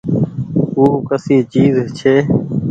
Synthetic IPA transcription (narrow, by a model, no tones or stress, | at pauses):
uːkəsiːt͡ʃiːzt͡ʃʰeː